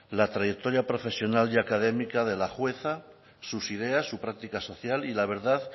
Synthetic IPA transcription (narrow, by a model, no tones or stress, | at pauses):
lat̪ɾajek̚t̪o̞ɾjapɾo̞fe̞sjo̞naliakað̞e̞mikaðe̞laxwe̞θa | susiðe̞asːupɾak̚t̪ikaso̞θjalilaβ̞e̞ɾðað